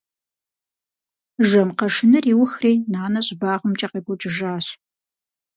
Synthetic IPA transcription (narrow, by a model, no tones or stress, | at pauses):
ʒɐmqɐʂɨnɨriːwʊxrejnaːnɐɕʼbaːʁəmt͡ʃʼɐqeɡʷʊt͡ʃʼɪʒaːɕ